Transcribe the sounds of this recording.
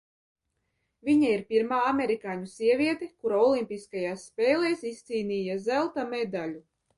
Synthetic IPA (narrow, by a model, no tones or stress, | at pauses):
vʲiɲaiɾpʲiɾmaːameɾikaːɲusʲiɛvʲiɛt̪ekuɾaɔlˠimʲpʲiskajaːsːpʲɛːlˠejsist̪siːnʲiːjazælˠt̪amɛd̪alʲu